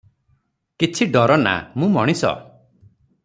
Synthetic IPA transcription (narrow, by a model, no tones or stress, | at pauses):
kit͡ʃʰiɖɔɾɔna̰mũmɔɽ̃isɔ̰